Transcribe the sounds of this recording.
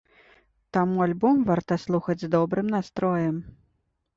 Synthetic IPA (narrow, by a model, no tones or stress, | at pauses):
t̪amualʲbɔmvart̪ɐslˠuxɐd͡zʲzd̪ɔbɾɨmnast̪ɾɔjɛm